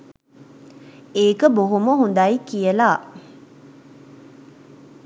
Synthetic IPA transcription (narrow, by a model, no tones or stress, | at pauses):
eːkəboɦuməɦund̪ajikijəlaː